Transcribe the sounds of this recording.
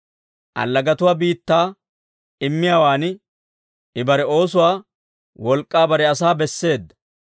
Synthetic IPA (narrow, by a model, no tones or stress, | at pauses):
ʔɐ̰lːɐɡɐt̪ʊwaːbiːt̪ːaː | ɪmːɪjaːwaːn | ɪbɐɾɛo̞ːsʊwaː | wɔlkʼːaːbɐɾɛɐsaːbɛsːe̞ːd̪ːɐ̥